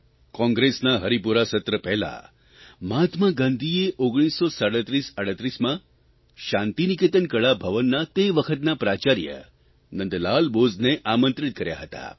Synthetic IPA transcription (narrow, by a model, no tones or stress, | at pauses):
kɔ̃ŋɡɾesnaɦəɾipuɾasət̪ɾəpɛɦla̰ | mat̪ʰmaɡãnd̪ʱieʔoɡɽ̃isːosaɽət̪ɾisəɽət̪ɾismã | ʃãnt̪iniket̪ənkəɭabʱəʋənːat̪eʋəkʰət̪napɾat͡ʃaɾjə̰ | nənd̪lalbozneʔamənt̪ɾit̪̚kəɾja̰ɦət̪a̰